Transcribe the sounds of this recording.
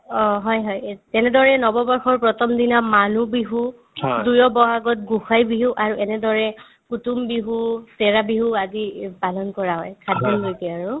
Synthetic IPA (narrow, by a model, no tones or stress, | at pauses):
ɔɦɔjɦɔjtɛnɛdɔɹɛnɔbɔbɔɹxɔɹpɹɔtʰɔmdinamanubiɦu | dujɔbɔɦaɡɔt̚ɡuxajbiɦuʔaɹuɛnɛdɔɹɛ | kutumbiɦusɛɹabiɦuazipalɔnkɔɹaɦɔjkʰadʱɔnɡojtɛaɹu